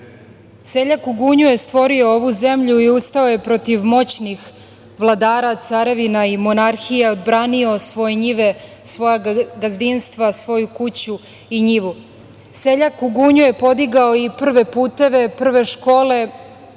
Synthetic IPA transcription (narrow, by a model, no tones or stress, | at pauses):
se̞ʎakuɡuːɲuje̞st̪ʋo̞ɾio̞oʋuze̞mʎuiust̪aoje̞pɾo̞t̪iʋmo̞t͡ɕnix | ʋlˠad̪aːɾat̪saɾeʋinaimo̞naɾxijeod̪bɾaːnio̞sʋo̞jeɲiʋe̞ | sʋo̞jaɡazd̪inst̪ʋasʋo̞jukut͡ɕu | iɲiʋu | seʎakuɡuːɲuje̞po̞d̪iɡaoipr̩ʋe̞puːt̪e̞ʋe̞pr̩ʋe̞ʃkoːle̞